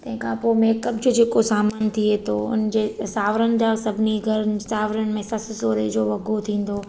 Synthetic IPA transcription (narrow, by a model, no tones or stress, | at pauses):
t̪ɐ̃ɦɪ̃kʰãpomeːkəbd͡ʑʊd͡ʑeːkosaːmaːnt̪ʰiet̪ʰoʊ̰nd͡ʑeːsaːʋɾənɪ̆d͡ʑaːsɐbʱɪniɡʱɐɾənɪ̆saːʋɾənɪ̆mẽsɐssoːɾḛd͡ʑoːʋɐɡʱot̪ʰĩːn̆d̪oː